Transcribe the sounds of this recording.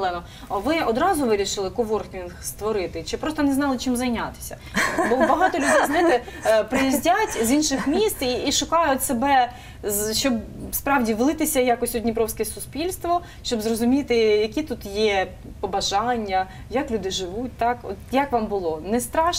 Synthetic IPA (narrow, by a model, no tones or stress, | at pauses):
lˠɛnɔ | ɐʋɪɔd̪ɾɑzʊʋɪɾʲiʃɪlˠɪkɔʋɔrxʋʲinxst̪ʋɔɾɪt̪ɪt͡ʃɪpɾɔst̪ɔnɛznɑlˠɪt͡ʃɪmzɐjnʲat̪ɪ̥sʲɐ̥̰ | bɔbɐɦɑt̪ɔlʲʊd̪ɛjzɛjt̪ɪpɾɪjizʲdʲatʲzinʃɪxmʲist̪iiʃʊkɑjʊtʲsebɛ | zʃt͡ʃɔb | spɾɑʋdʲiʋlˠɪt̪ɪsʲɐjakɔsʲtʲɔdʲnʲipɾɔwsʲkɛsʊspʲilʲst̪ʋɔ | ʃt͡ʃɔbzrɔzʊmʲit̪ɪjɐkʲit̪ut̪jɛ | pɔbɐʒɑnʲːɐ | jɐklʲud̪ɪʒɪʋut̚ʲt̪ɑkɔ̰t̪jakʋɑmbʊlˠɔnɛst̪ɾɑʃ